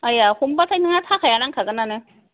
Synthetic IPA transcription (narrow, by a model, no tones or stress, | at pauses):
ajahumbatʰajnɯŋat̪ʰakʰajanaŋkʰaɡɯnanɯ